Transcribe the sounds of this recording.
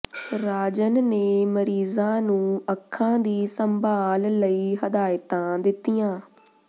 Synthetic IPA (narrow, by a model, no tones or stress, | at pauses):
ɾaːd͡ʒənneːməɾiːzãːnũːəkʰːãːd̪iːsəmbʱaːlːəiːɦəd̪aːɪt̪ãːd̪ɪt̪ːijãː